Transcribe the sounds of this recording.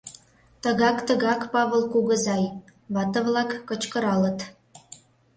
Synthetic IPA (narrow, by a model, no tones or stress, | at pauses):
t̪əɣɑkt̪əɣɑkpɑβə̆lˠkuɣə̆zɑj | βɑt̪ə̆βlɑkːə̆t͡ɕkə̆ɾɑlə̆t̪